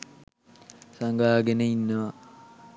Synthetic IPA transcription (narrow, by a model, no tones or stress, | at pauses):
saŋɡaɦaɡeneinːəʋa